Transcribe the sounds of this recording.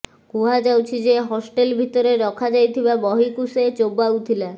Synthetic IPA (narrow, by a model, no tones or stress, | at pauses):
kuɦad͡ʒawt͡ʃʰid͡ʑeɦɔsʈelbʱit̪ɔɾeɾɔkʰad͡ʒajt̪ʰibabɔɦikuset͡ʃobaut̪ʰila